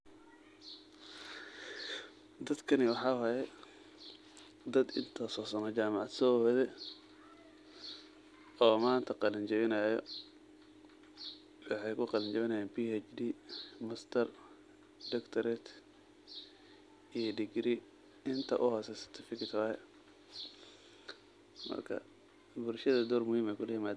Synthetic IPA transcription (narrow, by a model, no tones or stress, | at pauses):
d̪ɐd̪kʰɐnɪwɑħɑːwaːjɛ | d̪ɐd̪ɪnt̪ʰɔsɔːsɐnɔt͡ʃaːmɑʕɑd̪sɔwɛðɛ | ɔːmaːnt̪ʰɐqɑlɐnt͡ʃɛβɪnɐjɔ | wɑħɑjkʰʊqɑlɐɲt͡ʃɛβɪnɐjaːnpiːt͡ʃd̪iːmɐst̪ʰɐr | dɐkt̪ʰɐɾɛt̪ʰ | ijɔɖɪɡɾi | ɪnt̪ʰɐ̰ʔʊɦɔːsɛsɐ̥t̪ʰɐfɪkɪt̪ʰwahɛ | mɐ̰rkʰɐ̰ | bʊlʃɐðɐd̪ɔːrmʊhiːmɛkʰʊlɐjɪmaːd̪